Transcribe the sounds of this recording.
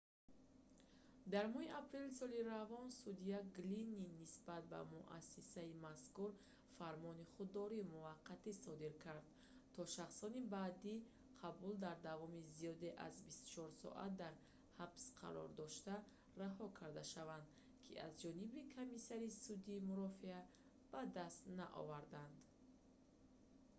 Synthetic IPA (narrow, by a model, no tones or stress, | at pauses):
d̪aɾmɔhiʔapʰɾe̞lsɔliɾavɔnsud̪iaɡlinːinːisbat̪̚ba̰muʔa̰sːisaimaskuɾ | faɾmɔniχud̪ːɔɾimuvaqʰːat̪isɔd̪iɾkʰaɾd̪̚ | t̪ʰɔʃaχsɔnibaːd̪i | qʰabuld̪aɾd̪avɔmizijɔd̪e̞ʔa̰zbist̪u̥t͡ʃʰɔɾsɔ̰ʔa̰t̪̚d̪aɾ | habsqʰa̰ɾɔ̰ɾd̪ɔʃt̪a | raɦɔkʰaɾd̪aʃavand̪ | kʰia̰zd͡ʒɔnibikʰomisaɾisud̪iːmuɾɔfia | b̥ad̪ast̪naʔɔ̰vaɾd̪and̪